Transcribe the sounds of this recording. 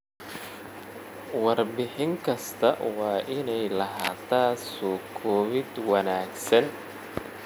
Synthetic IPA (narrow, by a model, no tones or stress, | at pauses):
wɑrbɪħɪŋkʰɐst̪ʰɐwɑːʔɪnɛjlɐɦa̰ːt̪ʰaːsɔːkʰɔːβɪd̪wɑnaːɡsɐn